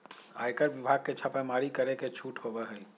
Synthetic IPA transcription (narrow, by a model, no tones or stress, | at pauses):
a̰ːjkəɾʋibʱaɡ̚ket͡ʃʰapemaɾikəɾeket͡ʃʰuːʈhobaɦəj